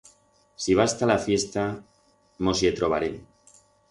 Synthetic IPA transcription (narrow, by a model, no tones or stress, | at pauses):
siβ̞ast̪alafje̞st̪a | mo̞sjet̪ɾoβa̰ɾem